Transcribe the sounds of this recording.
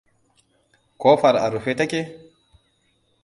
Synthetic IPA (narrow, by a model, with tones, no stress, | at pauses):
ko˦fa˨ɾa̰˨ɾu˨ɸe˦ta˦ke˦